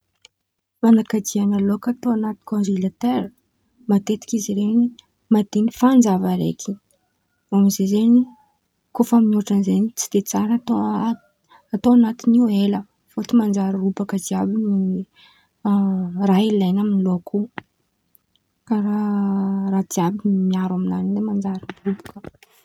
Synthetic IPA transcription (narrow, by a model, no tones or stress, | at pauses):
manakad͡ʒianəlokat̪oanat̪i̥kõnzilat̪eɾə | mat̪et̪i̥kʲiziɾeni | mad̪̥enifand͡ʒavəɾḛkʲi̥ | oamizezeni | kofaminuʈ͡ʂənizenit͡si̥d̪̥et͡saɾat̪o | at̪oanat̪inielə | fot̪imand͡ʒaɾarubakəd͡ziabini | railajnaminiloakʰu | kaɾa | rad̪iabinimiaɾaminanid̪emand͡ʒaɾirubḁkə̥